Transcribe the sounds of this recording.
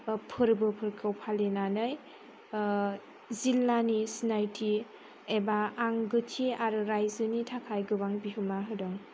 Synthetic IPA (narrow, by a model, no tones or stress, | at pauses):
pʰɯɾbɯpʰɯɾkʰɯwpʰalenanɯj | zilːanisnajtʰi | ebaːŋɡɯtʰiaɾɯɾajzɯnitʰakʰajɡɯbaŋbiɦɯmaɦɯdɯŋ